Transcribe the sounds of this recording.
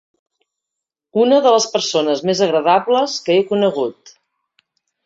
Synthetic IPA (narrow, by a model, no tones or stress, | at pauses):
unəðələspəɾsonəzmezəɣɾəðaβləskəekunəɣ̞ut̪